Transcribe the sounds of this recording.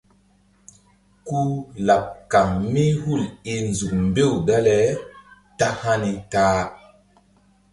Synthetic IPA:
ku˦la˨p̚ka˨ŋmi˦hu˦˨li˨nzu˨k̚mbe˦˨wda˦le˦ | ta˦ha˦ni˨taː˦

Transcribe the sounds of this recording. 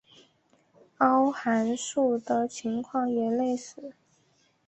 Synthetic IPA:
ɑ˥ʊxa˧˥nʂu˥˩d̪ə˩t͡ɕʰi˧˥ŋkʰwɑ˥˩ŋjɛ˨˩le˥˩ɪʂɻ̩˨˩˦

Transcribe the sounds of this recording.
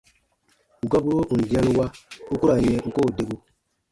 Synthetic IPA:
u˨ɡa˦bu˦o˦u˨n̩˨d͡ʒi˨˦a˦nu˦wa˦u˦ku˦ɾa˨jɛ˦ŋ̩˦ko˦˨de˦ɡo˦

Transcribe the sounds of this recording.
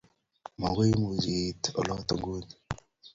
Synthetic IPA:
ma˨ŋɡu˦mu˨d͡ʒi˨tɔ̰˨lɔ˦t̪o˨ŋɡu˦ni

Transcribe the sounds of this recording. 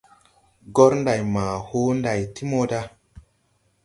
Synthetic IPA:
ɡo˦ɾnda˨jma˨ho˦nda˨jti˦mo˦da˦

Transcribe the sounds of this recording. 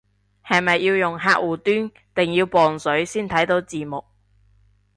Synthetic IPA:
hɐ˨jmɐ˨jːiː˧wjʊ˨˩ŋɦaː˧k̚wuː˨˩t̪yː˥n | t̪ɪ˨ŋjiː˧wpɔː˨nsɵ˨˥ɥsiː˥nt̪ʰɐ˨˥jt̪o˨˧˥wt͡siː˨˩mʊ˨k̚

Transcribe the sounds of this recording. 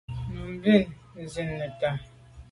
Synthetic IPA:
m̩˨bi˦˨ | zi˨nːə˨ta˨

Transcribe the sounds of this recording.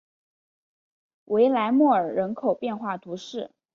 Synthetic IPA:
wʔe˧˥ɪla˧˥ɪmwɔ˥˩ə˞˨˩ɻə˧˥nkʰo˨˩ʊpjɛ˥˧nxwa˥˩t̪ʰu˧˥ʂɻ̩˥˩

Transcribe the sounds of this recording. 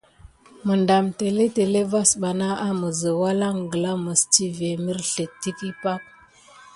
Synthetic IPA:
mə˨nda˨mte˨le˦te˨le˦va˦sɓa˨na˦ʔa˦mə˨zə˨wa˦la˦ŋɡə˨la˦mə˨st͡ʃi˦ve˨mi˦ɾɬe˨tːi˦ki˦pa˦k̚

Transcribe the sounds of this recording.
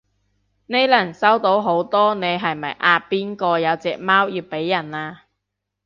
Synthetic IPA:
ne˨˧jlɐ˨˩nsɐ˥wt̪o˨˥wɦo˨˥wt̪ɔː˥ne˨˧jɦɐ˨jmɐ˨jʔaː˧piː˥nkɔː˧jɐ˨˧wt͡sɛː˨k̚maː˥wjiː˧wpe˨˥jːɐ˨˩naː˧

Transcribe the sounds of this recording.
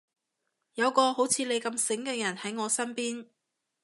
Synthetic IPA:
jɐ˨˧wkɔː˧ho˨˥wt͡sʰiː˨˧le˨˧jkɐ˧msɪ˨˥ŋkɛː˧jɐ˨˩nhɐ˨˥jŋɔː˨˧sɐ˥npiː˥n

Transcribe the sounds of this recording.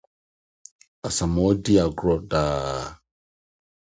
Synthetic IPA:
a˨sa˨mɔ˦di˦a˨ɡɾɔ˨da˨

